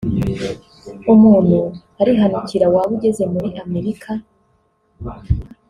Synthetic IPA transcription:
umuːn̥hu | aɾiɦanuciɾawaβuɟe̞ze̞muɾiʔame̞ɾikʰa

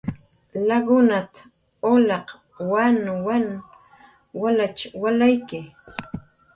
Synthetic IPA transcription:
laɡʊnat̪ḁ | olɑq | wanwan | walat͡ʃwalajkɪ

